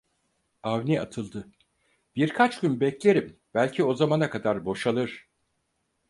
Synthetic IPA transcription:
avnia̰t̪ʰɯlˠd̪ɯ | b̥iɾkʰat͡ʃɟynbɛclʲe̞ɾim | b̥ælʲcʰio̞zamanakʰad̪aɾbo̞ʃalˠɯɾ̥

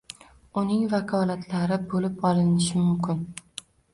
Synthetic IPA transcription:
ʊnɪŋvakʰɒlat̪ʰlaɾɪbolɪpɒlɪnɪʃɪmʊmkʲʰɪn

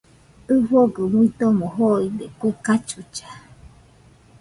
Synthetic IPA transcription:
ɨfoɡɯŋuit̪omoɦoid̪ekʷekat͡ʃut͡ʃḁ

